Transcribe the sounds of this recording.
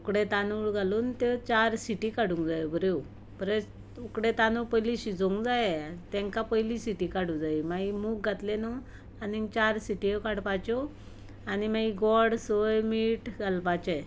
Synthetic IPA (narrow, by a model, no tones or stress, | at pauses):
ukɽet̪anuɭɡaluːnt̪et͡ɕaɾsiʈikaɽũŋɡd͡zajbʱəɾew | bəɾes | ukɽet̪anupəjliɕid͡zoŋɡd͡zajet̪ɛ̃ŋkapəjlisiʈikaɽũd͡zaimaimuːk̚ɡʱat̪leno | aniŋt͡ɕaɾsiʈiekaɽpat͡ɕo | animaiɡɔɽsojmiʈɡalpat͡ɕe